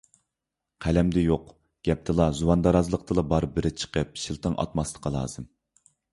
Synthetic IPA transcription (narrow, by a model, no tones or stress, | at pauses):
qʰælɛmd̪ɛjoq | ɡ̥ʲɛp̚t̪ʰɨlˠɑzuwɑnd̪ɑɾɑzɨlˠəqt̪ʰɨlˠɑbɑɾbɪɾɪt͡ʃʰə̥qəp̚ʃilˠt̪ʰəŋʔɑ̰t̪mɑslˠə̥qʰɑlˠɑ̰ːzɨm